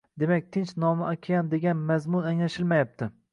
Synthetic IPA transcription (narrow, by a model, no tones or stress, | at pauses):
d̪e̞mak̚ʲt̪ʰɪnt͡ʃnɒmɪʔakʲʰajand̪e̞ɡʲanmazmʊnaŋlaʃɪlmajap̚t̪ʰɪ